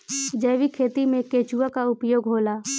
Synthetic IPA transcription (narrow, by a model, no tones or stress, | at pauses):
d͡ʒəjʋikʰeːt̪imẽkeːt͡ʃuʋakaʊpjoːɡɦoːlaː